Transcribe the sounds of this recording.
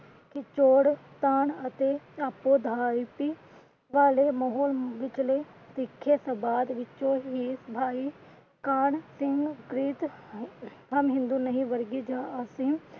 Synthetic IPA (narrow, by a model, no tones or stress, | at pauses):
kit͡ʃoːɽt̪aːnɐt̪et͡ʃaːpːod̪ʱaːpi | ʋaːlemɔːɦoːlʋɪt͡ʃlet̪ɪkʰːesɐbaːd̪ʋɪt͡ʃːoɦiːsbʱaːi | kaːɳsɪ̃ŋɡɡɾiːt̪ | ɦɐmɦɪ̃nd̪unəɦĩʋəɾɡid͡ʒaɐsɪm